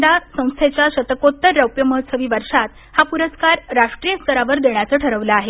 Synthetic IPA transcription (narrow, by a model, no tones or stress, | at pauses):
ɖ̪asə̃w̃st̪ʰet͡ɕjaɕət̪əkot̪ːəɾːəwpjəməɦət̪səʋiːʋəɾʂat̪ | hapuɾəskaɾɾaʂʈɾijəst̪əɾaʋəɾd̪eɳjat͡səːʈʰəɾəʋləaɦe